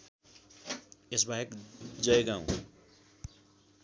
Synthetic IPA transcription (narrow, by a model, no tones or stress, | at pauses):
esbaɦekd͡zʌjɡãw̃